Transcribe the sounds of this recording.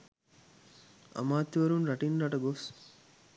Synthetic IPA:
ɐ̰maːt̪ːiʋɐɾunɾɐʈinɾaʈɐɡos

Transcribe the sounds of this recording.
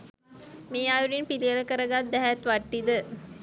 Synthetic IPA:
meːajuɖinpiliələkəɾəɡat̪̚d̪æɦæt̪ʋaʈːid̪ə

